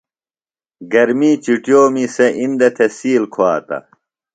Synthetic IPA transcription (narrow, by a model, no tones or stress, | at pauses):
ɡɐɾmiːt͡ɕiʈjoːmiseʔind̪ɐt̪ʰesiːlkʰoaːt̪ɐ̰